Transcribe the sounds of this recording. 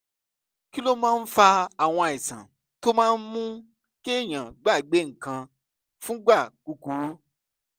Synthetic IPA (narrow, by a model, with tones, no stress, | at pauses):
ki˦lo˦mãː˦˧n̩˦fa˧a˨w̃ɔ̃˧a˨i˨sã̰˨ | to˦mãː˦˧n̩˦mũ˦ | ke˦˨j̃ã˨ɡ͡ba˦˨i˨ɡ͡be˨˦ŋ̩˨kã˧ | fũ˦ɡ͡ba˦˨ku˧ku˨˦ɾu˦